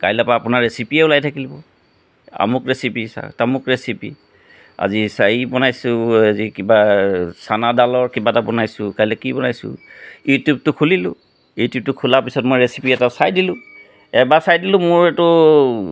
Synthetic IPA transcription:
kajlɛpaːpʊnaɹɹesipiɛʊlajtʰakilbɔ | a̰mʊkɹesipisa̰tamʊkɹesipḭ | a̰zisaibɔnajsʊazikibasanadalɔɹkibatabɔnajsʊ̃kajlɛkibɔnajsʊ̰̃jutub̚tʊkʰulilʊ̃ | jutjub̚tʊkʰulapisɔt̚mojɹesi̥piɛtaʊsajdilʊ̃ | ɛbasajdilʊ̃mʊɹɛtʊ

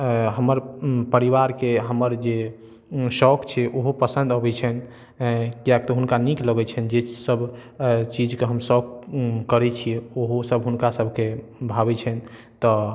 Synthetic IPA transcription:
ɦəməɾpəɾiʋaɾkeɦəməɾd͡ʒe | sɔkt͡ʃʰɛʔoɦopəsə̃nd̪əbɛt͡ʃʰɛn | kijak̚t̪ɔɦunkanikləɡɛt͡ʃʰɛnd͡ʒesəbʱt͡ʃid͡ʒkeɦəmsɔkkəɾɛt͡ʃʰieoɦosəbɦunkasəbʱkebʱabɛt͡ʃʰɛn | t̪ɔ

